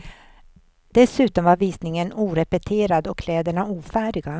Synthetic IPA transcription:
d̪̥ɛsʉ̟ːt̪ɔmvaɾviːsnɪŋənuːɾɛpɛt̪ʰeːɾad̪ɔkːʰlɛːd̪əɳauːfæːɖɪɡa

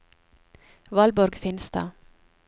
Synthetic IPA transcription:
ʋɑlbɔɾɡfɪnst̪ɑ̰ː

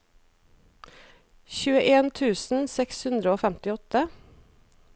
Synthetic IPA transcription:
çʉːəʔeːnt̪ʰʉːsn̩sɛkshʉnd̪ɾəoːfæmt̪ɪɔt̪ə

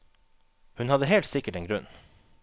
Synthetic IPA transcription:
hʉnhɑd̪əhɛːlt̪sɪkəʈeːŋɡɾʉn

